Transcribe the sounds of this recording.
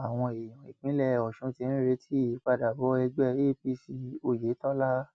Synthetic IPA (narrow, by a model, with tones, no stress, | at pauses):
a˨w̃ɔ̃˧e˨j̃ɔ̃˨i˨k͡pĩ˨˦lɛ˦˨ɔ˨ʃũ˨˧˦ti˧ñ̩˦ɾe˧˦tʰi˦˨i˨˦k͡pa˧da˨bɔ˨˦ɛ˧ɡ͡bɛ˦e˦pi˧si˧o˧je˨˦tɔ˦la˦